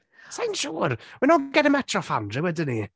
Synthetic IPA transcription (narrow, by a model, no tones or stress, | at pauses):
sajnʃuːrwɪnɔɡɛdəmɛtʰrɔfa̰ndɪwədəni